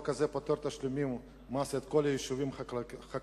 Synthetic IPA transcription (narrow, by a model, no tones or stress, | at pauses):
kɐzɛpot̪oɾt̪aʃlʲʊmim | maset̪kolʲejiʃuvʲimxa